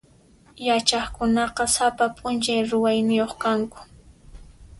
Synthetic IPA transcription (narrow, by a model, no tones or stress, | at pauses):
jat͡ʃɑχkʊnɑqɑsapapʼʊnt͡ʃajɾʊwajnɪjoχkaŋkʊ̥